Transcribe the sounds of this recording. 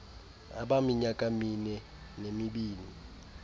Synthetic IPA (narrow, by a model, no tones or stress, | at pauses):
a̰ɓamiɲakʼaminɛ | nemiɓiːni